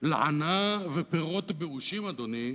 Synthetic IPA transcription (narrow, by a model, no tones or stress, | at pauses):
la̰ʕa̰navepeʁot̪beuʃimad̪oni